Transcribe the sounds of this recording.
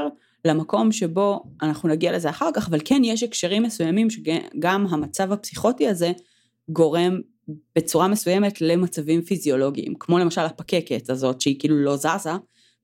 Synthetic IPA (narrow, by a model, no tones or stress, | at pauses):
lamako̞mʃe̞bo̞anaχnunaɡiale̞zeaχaʁkaχavalkenjeʃekʃeʁimːesujamimʃeɡamɦamat͡savhapsiχo̞tiaze̞ | ɡo̞ʁe̞m | b̥e̞t͡suʁamesujeme̞tle̞mat͡savimfizio̞lo̞ɡiḭmkmo̞lemaʃalapake̞ketazo̞tʃeikiːlulo̞zaza